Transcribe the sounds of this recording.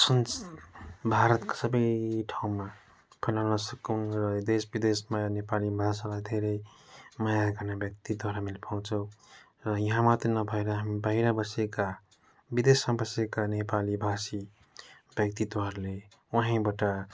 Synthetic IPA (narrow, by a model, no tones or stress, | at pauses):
səns | bʱaɾət̪kḁsəbəjʈʰaũma | pʰəlanʌsəkunɾd̪esbid̪esmãnepalibʱasalajd̪ʱeɾemajaɡənebjək̚t̪id̪waɾamilpʰaũt͡ʃəw | ɾʌjʌɦãmat̪inʌbʱaiɾaɦəmibaɦiɾabəseka | bid̪esmabəsekanepalibʱasi | bjək̚t̪id̪waɾle | wəɦĩbaʈa